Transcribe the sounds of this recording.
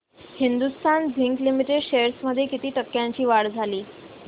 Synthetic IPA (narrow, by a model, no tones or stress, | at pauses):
hind̪ust̪ʰand͡zʱiŋklimiʈeɖɕeɾsməd̪ʱːjekit̪iːʈəkːjaɲt͡ɕiːʋaɽd͡zʱaliː